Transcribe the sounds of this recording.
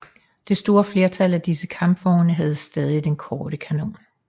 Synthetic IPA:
d̥e̝sd̥o̝ːɐfle̝ɐt͡sʰæl̰æd̥isəkʰɑ̈mb̥ʋɒːnəɦæð̞̩ˠsd̥ɛð̞ˠid̥enkʰɒːɾ̥əkʰæno̝̰ːn

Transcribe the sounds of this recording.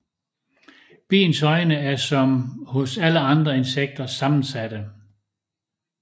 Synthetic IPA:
b̥ḭːnsɒ̽ɪnəæɐsɒ̽mhɔ̽sæləɑ̈nd̥ʁɐe̝nseɡ̥̚d̥ɐsɑ̈mn̩sæd̥ə

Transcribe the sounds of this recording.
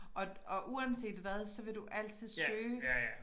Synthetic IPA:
ʔɒ̽ɒ̽ʔuænse̝̰ːd̥ʋæðˠsɒ̽ʋe̝d̥uʔæl̰t͡sʰið̞ˠsˠøː

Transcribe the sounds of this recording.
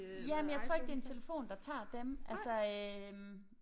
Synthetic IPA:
jæmenjɑ̈ɪt͡sʰʁo̝ɐeɡ̥̚d̥e̝ent͡sʰe̝ləfo̝̰ːnd̥ɑ̈t͡sʰɑ̰̈ːd̥emʔælsɐøm

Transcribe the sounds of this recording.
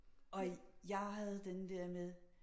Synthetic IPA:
ɒ̽jɑ̈ɪɦæð̞̩ˠd̥enəd̥ɛɐmeðˠ

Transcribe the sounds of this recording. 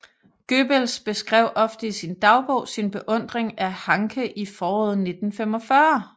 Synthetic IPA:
ɡ̥øb̥əlsb̥e̝sɡ̥ʁɛʊ̰ʔɒ̽fd̥əisind̥ɑ̈ʊb̥o̰ʊsinb̥e̝ʔɔ̽n̰d̥ʁeŋæhɑ̈ŋkʰəʔifɒːɔːð̩ˠne̝d̥n̩fem̰ɒ̽fɶɐ

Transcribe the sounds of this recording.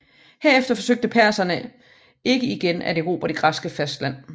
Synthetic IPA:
heɐefd̥ɐfɒ̽søɡ̥̚d̥əpʰæɐ̰sɐnə | e̝ɡ̥əiɡ̥enæ̰d̥eʁo̝̰ːb̥ɐɾ̥e̝ɡ̥ʁɑsɡ̥əfæsd̥læn̰

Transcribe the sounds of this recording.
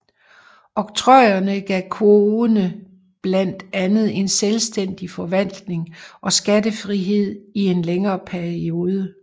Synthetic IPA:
ɒ̽ɡ̥̚t͡sʰʁɒɪ̰ɐnəɡ̥ɛkʰoðˠnə | b̥læn̰d̥ænð̞̩ˠe̝nselsd̥en̰d̥ifɒ̽ʋæn̰d̥ne̝ŋʔɒ̽sɡ̥ædəfʁiɦe̝ð̞̰ˠie̝nleŋɐːpʰæɐio̝ːð̞ˠə

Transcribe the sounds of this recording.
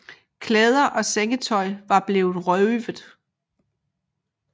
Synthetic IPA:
kʰlɛːð̞ˠɐʔɒ̽seŋət͡sʰɒ̽ɪ̰ʋɑ̈b̥le̝ːʊð̩ˠʁœʋəð̩ˠ

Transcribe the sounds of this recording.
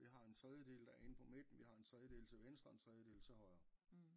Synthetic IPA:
iɦɑ̈e̝nt͡sʰʁɛðˠjəd̥e̝̰ːld̥æenpʰɒ̽me̝d̥n̩ʋihɑ̈e̝nt͡sʰʁɛðˠjəd̥e̝̰ːlt͡sʰe̝ʋensd̥ʁɐnt͡sʰʁɛðˠjəd̥e̝̰ːl̩t͡sʰehɒ̽ɪ̰ɐ

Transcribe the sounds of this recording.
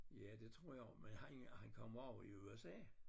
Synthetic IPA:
jæd̥e̝t͡sʰʁo̝ɐ̰jɑ̈menhænhænkʰɒ̽m̰ɒʊ̰iuesɛ̰ː

